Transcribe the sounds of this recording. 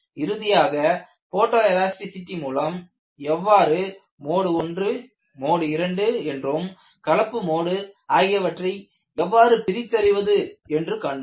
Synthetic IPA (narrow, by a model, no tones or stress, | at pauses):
ɪɾɯðɪjaːɣɐ | poːʈːɐːɐlaːsʈɪsɪʈːimuːlɐm | ɛʋːaːɾɯ | moːɽɯɔndrɯ | moːɽɯɪɾɐɳɖɯɛndrom | kɐɭɐpːɯmoːɽɯaːɣɪjɐʋɐʈrɐɪ | ɛʋːaːɾɯpɪɾɪt͡ʃ̪ːɐɾɪʋɐðɯɛndrɯkaɳɖɯ